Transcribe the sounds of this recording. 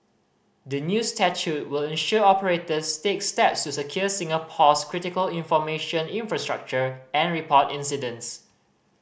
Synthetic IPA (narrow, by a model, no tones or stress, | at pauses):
dənjustɛt͡ʃut̚wɪlɛ̃nʃuəɔpəɹetəstekstɛpstusəkʰjuəsĩŋəpʰɔskʰɹitɪkəlĩnfɔmeʃə̃nĩnfɹastɹa̰k̚t͡ʃəɛ̃nɹipʰɔtĩnsidə̃ns